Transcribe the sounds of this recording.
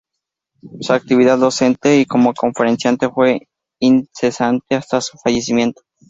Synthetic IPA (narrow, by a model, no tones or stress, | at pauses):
suak̚t̪iβiðaððo̞se̞nt̪e̞iko̞mo̞ko̞ɱfe̞ɾe̞nsjant̪e̞fwe̞ | inse̞sant̪e̞ast̪asu̥faʝe̞s̬imje̞nt̪o̞̥